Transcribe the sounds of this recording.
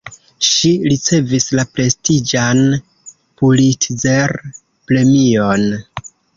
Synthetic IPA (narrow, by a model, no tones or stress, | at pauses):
ʃiɾit͡se̞vislapɾe̞stid͡ʒan | pulitze̞ɾ | pɾe̞mio̞n